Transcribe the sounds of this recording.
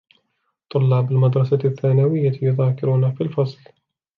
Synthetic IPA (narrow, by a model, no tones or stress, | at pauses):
t̪ˤːʊlːɑːbɪlmad̪ɾˤɑsaθːaːnawɪjːajʊðaːkɪɾuːnafilfɑsˤl